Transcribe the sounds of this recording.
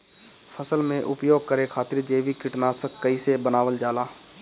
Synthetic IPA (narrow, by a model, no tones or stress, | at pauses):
pʰəsəlmẽʔʊpjoːɡ̚kəɾekʰaːt̪ɪɾd͡ʒeːʋikɪʈnaːsəkːəisebənaːʋəld͡ʒaːlaː